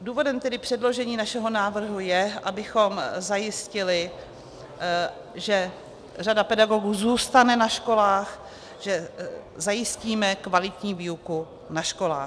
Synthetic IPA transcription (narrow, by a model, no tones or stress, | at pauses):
duːvo̞dɛmt̪ɛdɪpr̝̥ɛdlo̞ʒɛɲiːnaʃɛɦo̞naːvr̩ɦujɛʔabɪxo̞mzajɪscɪlɪ | ʒɛ | r̝adapɛdaɡo̞ɡuːzuːst̪anɛnaʃko̞laːx | ʒ̥ɛzajɪsciːmɛkvalɪt̪ɲiːviːuku | naʃko̞la̰ː